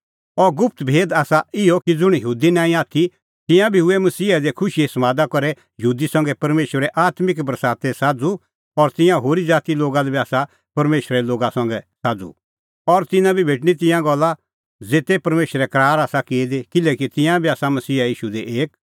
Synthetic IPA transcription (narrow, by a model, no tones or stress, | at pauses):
ɔɾɡʊp̚ʰt̪bʱeːd̪aːsaɪjɔkid͡zʊɽ̃jəɦuːd̪inãːĩaːt̪ʰi | t̪ɪ̃jãbʱiʊemɐsiːad̪ekʰʊʃiɛsɐmaːd̪akɔɾɛ | jəɦuːd̪isɐ̃ŋɡɛpɐɾmeːʃɾɾɛʔaːt̪mɪkbɾəsaːt̪ɛsaːd͡zu | ɔɾt̪ɪ̃jãɦoːɾid͡zaːt̪iloːɡalɛbiaːsa | pɐɾmeːʃɾɛloːɡasɐ̃ŋɡɛsaːd͡zṵ | ɔɾt̪ɪ̃nãbʱibʱeːʈ̬ɽ̃it̪̬ɪ̃jãɡɔlːa | d͡zeːt̪epɐɾmeːʃɾɛkɾaːɾaːsakeːd̪ekɪlɛkit̪ɪ̃jãbʱiaːsamɐsiːajiːʃud̪eʔeːk̚